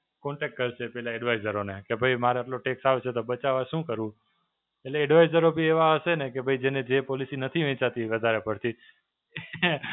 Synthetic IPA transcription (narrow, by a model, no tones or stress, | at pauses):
kɔɳʈek̚ʈ̚kəɾt͡ʃʰepɛɦlaeɖʋajzəɾonekebʱəimaɾeaʈloʈeksaʋt͡ʃʰet̪obət͡ʃaʋaʃũkəɾũ | eʈleːɖʋaizəɾobʱieʋaəʃenekebʱaid͡ʒened͡ʒepolisinət̪ʰiʋɛ̃t͡ʃat̪iʋəd̪ʱaɾepəɽt̪ʰi